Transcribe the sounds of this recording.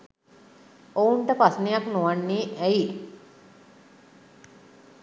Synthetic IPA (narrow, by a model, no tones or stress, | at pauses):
ouɳʈəpasnijaknuʋanːiːʔæji